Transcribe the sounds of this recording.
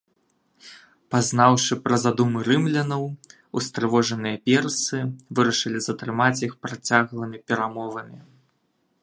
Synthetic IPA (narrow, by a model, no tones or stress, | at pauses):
pazn̪awʂɨpɾɐzad̪umɨɾɨmlʲɐnɐw | ust̪ɾɨvɔʐɐnɨjɐpʲɛrsɨvɨɾɐʂɨlʲizɐt̪ɾɨmat͡sʲjixpɾat͡sʲaɣlˠɐmʲipʲɛɾamɔvɐmʲi